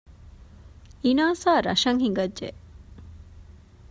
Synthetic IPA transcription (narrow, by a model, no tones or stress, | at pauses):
inaːsaːɾɐʃɐŋhiŋɡɐdʒe